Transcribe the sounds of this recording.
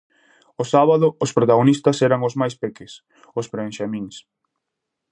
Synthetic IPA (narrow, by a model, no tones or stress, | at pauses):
ʊsaβaðʊːspɾot̪aɣonist̪ɐsɛɾaŋʊzmajspekɪs | ʊspɾẽnʃamĩŋs